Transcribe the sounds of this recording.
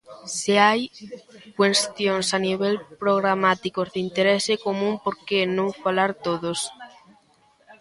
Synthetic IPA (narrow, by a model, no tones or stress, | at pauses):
seajkwest̪jonsaniβ̞elpɾoɣ̞ɾamat̪ikozðint̪eɾesekomũmpoɾkenõŋfalaɾt̪oðos